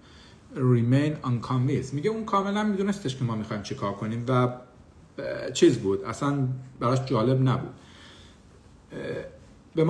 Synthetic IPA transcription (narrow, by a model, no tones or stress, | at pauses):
rimejnɒnkʰɑnvinsmiɟeuːnkʰɒːme̞lænmid̪uːnest̪e̞ʃkʰemɒːmixɒːjmt͡ʃʰekʰɒːɾkʰo̞niːmvæ | t͡ʃʰiːzbuːd̪æ̰sænbæɾɒʃd͡ʒɒːle̞bnæbṵːd̪̥ | bemː